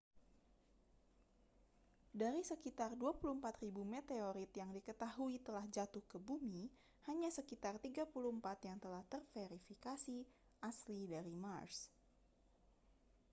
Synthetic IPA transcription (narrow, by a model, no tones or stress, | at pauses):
daɾisəkit̪arduapuluhmpat̪ribumɛt̪eoɾit̪jaŋdikət̪aɦuit̪əlahd͡ʒat̪uhkəbumi | haɲasəkit̪art̪iɡapuluhəmpat̪jaŋt̪əlaht̪ərfeɾifikasi | ʔaslidaɾimars